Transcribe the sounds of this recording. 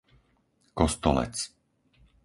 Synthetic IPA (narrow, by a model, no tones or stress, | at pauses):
kɔst̪ɔlɛ̰t͡s